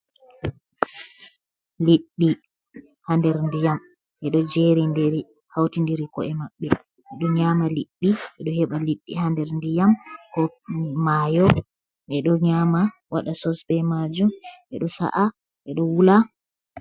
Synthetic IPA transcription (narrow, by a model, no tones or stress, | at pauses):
liɗːi | handɛɾndijam | ʔɛɗɔd͡ʒeɾindiɾi | hawtindiɾikɔɛmaɓːɛ | ʔɛɗɔɲamaliɗːiʔɛɗɔhɛɓaliɗːihandɛɾndijamkɔmaːjɔ | ʔɛɗɔɲaːma | waɗasɔsbɛmad͡ʒumʔɛɗɔsa̰ʔa | ʔɛɗɔwula